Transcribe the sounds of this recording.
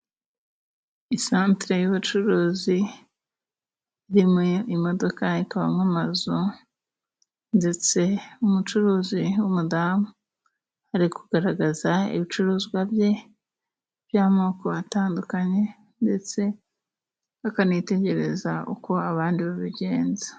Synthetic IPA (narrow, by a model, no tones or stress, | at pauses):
isaːntɾe̞juβut͡ʃuɾuːzi | iɾimeimo̞do̞kaikaβa̰mŋamazu | nde̞t͡se̞umut͡ʃuɾuːziwumudamu | aɾikuɡ̥aɾaɡazaḭβit͡ʃuɾuːzɡwabje̞ | β̥jaːmoːkoβataːndukaɲe̞ | nde̞t͡se̞ | akanite̞ɟe̞ɾe̞̰zaʔṵko̞aβaːndiβaβiɟe̞ːnzḁ